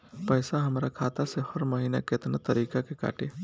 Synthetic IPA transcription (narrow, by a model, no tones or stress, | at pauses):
pəjsaɦəmɾakʰat̪asehəɾməɦina̰ket̪nat̪əɾikakeka̰ʈe